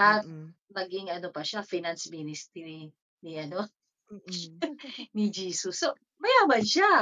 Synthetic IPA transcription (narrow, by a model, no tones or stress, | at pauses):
at̪̚lɐɡɪŋɐnopɐʃafinansminɪst̪ɾi | niʔɐno | nid͡ʒiːsʊsːo | bɐjabaʃa